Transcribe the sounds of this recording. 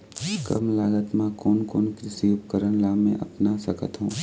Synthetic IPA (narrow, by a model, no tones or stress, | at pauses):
kɐ̰mlaːɡət̪mãkoːnkoːnkɾɪsiʊpkəɾənlaːmḛ̃ʔɐ̰pnasɐkə̰t̪ɦũː